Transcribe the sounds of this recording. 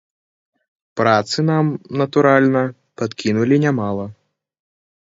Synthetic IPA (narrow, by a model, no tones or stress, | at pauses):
pɾat̪sɨnamnɐt̪uɾalʲnɐ | pat̪kʲinulʲinʲamalˠɐ